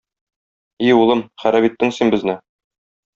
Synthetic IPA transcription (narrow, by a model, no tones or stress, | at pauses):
iulˠɤmχæɾæbit̪ːɘŋsinbɘ̆znɘ